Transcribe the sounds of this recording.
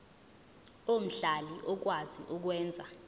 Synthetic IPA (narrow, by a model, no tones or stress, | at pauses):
om̩ɬaliʔɔk̬wazḭʔuk̬wɛːnd͡zʱa